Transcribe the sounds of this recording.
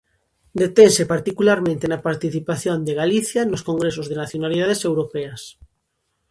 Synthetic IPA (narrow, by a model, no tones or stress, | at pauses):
d̪et̪ensepaɾt̪ikulaɾmẽnt̪enapaɾt̪iθipaθjond̪eɣaliθjanoskoŋɡɾesozðenaθjonaliðað̞esewɾopeas